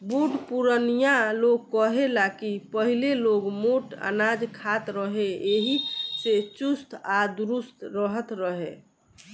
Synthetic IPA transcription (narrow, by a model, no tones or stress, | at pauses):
buɖpuɾənijaloɡ̚kəɦelakipəɦileloɡmoʈa̰nad͡ʒkʰat̪ɾəɦeeɦiset͡ʃust̪ʰad̪uɾust̪ʰɾəɦət̪ɾəɦe